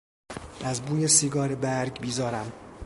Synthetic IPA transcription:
æzbuːjesiːɡɒːɾebæɾɡbiːzɒːɾæm

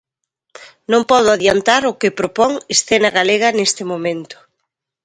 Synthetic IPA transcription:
nõŋpɔð̞ʊaðjant̪aɾʊkɪpɾopɔŋesθenɐɣaleɣɐnest̪ɪmomẽnt̪ʊ̥

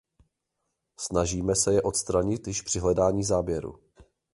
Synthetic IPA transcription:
snaʒiːmɛsɛjɛʔo̞t̪st̪ɾaɲɪt̪jɪʃpr̥ɪɦlɛdaːɲiːzaːbjɛɾṵ

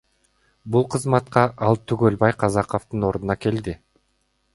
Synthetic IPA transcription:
bulˠqʰɯzmɑt̪qɑʔɑlˠt̪ʰyɡølbɑjqʰɑzɑqoft̪ɯno̞ɾd̪unɑke̞ld̪i

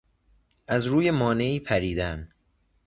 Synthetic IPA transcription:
ʔæzɾuːje̞mɒːne̞iːpʰæɾiːd̪æn

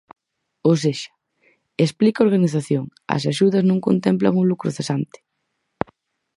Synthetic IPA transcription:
ows̬eʃɐ̥ | esplikaoɾɣaniθaθjoŋɐ̰s̬aʃuðɐznõŋko̰nt̪ɛmpla̰ŋulukɾoθesant̪ɪ̥

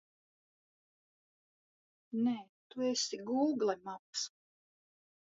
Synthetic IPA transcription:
neːt̪uesiɡuːɡlˠɛmaps

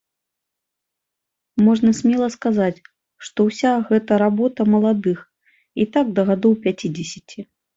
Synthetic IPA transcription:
mɔʐnɐsʲmʲɛlˠɐskazat͡sʲ | ʂt̪ɔwsʲaɣɛt̪ɐɾabɔt̪ɐmɐlˠad̪ɨx | it̪aɡ̚d̪ɐɣad̪ɔwpʲat͡sʲid͡zʲesʲit͡sʲi

